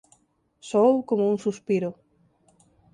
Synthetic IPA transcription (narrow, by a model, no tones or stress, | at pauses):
sowkomouŋsuspiɾʊ